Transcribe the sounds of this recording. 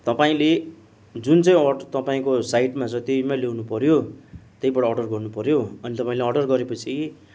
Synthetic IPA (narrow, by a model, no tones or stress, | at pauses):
t̪ʌpaĩle | d͡zunt͡saĩʌt̪ʌpãĩkosaiʈmat͡sʌ̃t̪eimalewnupʌɾjot̪ejbaɽaːɽɖʌrɡʌrnupʌɾjoʌnit̪ʌpaĩleʌɖʌrɡʌɾepʌt͡sʰi